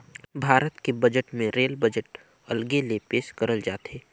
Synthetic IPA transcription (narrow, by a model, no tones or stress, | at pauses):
bʱaːɾət̪kebɐd͡ʒəʈmẽɾeːlbəd͡ʒəʈ | ɐlɡelepeːʃkəɾəld͡ʒaːt̪eː